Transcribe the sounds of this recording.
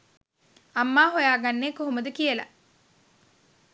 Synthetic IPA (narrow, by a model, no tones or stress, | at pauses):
amːaːɦojaːɡanːeːkoɦoməd̪əkijəla̰